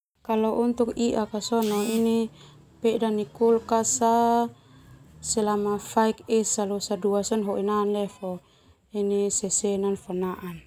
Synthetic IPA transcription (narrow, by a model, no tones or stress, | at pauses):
kalɔʔunt̪ukiʔakasɔnɔini | pɛdanikulkasa | sɛlamafaikɛsalɔsaduasanɦɔʔinanlɛfɔ | inisɛsɛnanfanaʔan